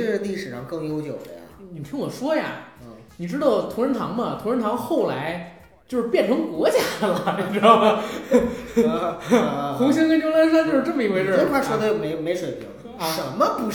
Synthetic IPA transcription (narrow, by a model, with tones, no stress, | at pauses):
li˥˩ʂɻ̩˨˩ʂɑ˧˥˩ŋkɤ˥˧ŋjo˥ʊt͡ɕjo˨˩ʊd̪ə̰˦ja̰˨ni˨˩t̪ʰi˥nwɔ˨˩ʂwɔ˥ja˨˩˥ | ni˨˩ʈ͡ʂɻ̩˥t̪ɑ˥˩ʊt̪ʰu˧˥ɻə˧˥nt̪ʰɑ̰˧˥ŋmɐ˨t̪ʰu˧˥ɻə˧˥nt̪ʰɑ˧˥ŋxo˥˩ʊla˧˥ɪ | t͡ɕjo˥˧ʊʂɻ̩˥˧pjɛ˥˩nʈ͡ʂʰɤ˧˥ŋkwɔ˧˥t͡ɕja˥lə˨˩˧ | xu˧˥ɕjɛ˥n˥t͡ɕjo˥la˧˥a˥t͡ɕjo˥˧ʊʂɻ̩˥˧ʈ͡ʂɤ˥˩mə˩i˧˥we˧ʈ͡ʂʰwa˥˩ʂwɔ˥d̪ə˧jme˧˥ɪme˧˥ɪʂwə˨˩pʰḭ˧˥ŋ˧ʂɻ̩˥˩˧mɐ˨˧pu˧˥